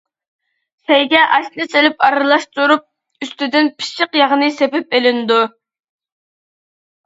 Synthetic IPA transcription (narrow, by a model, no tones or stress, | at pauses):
sɛjɡʲɛʔɑʃlˠɨselɪpɑɾɨlˠɑʃt̪uɾup̚ | yst̪ɪd̪ɪnpʰi̥ʃɨqjɑʁənɨsepɪpelɪnɪd̪u